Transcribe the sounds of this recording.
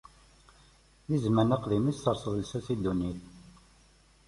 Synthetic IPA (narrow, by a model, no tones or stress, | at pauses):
ðizmənəqðimissəɾsəðlsæsid̪uniθ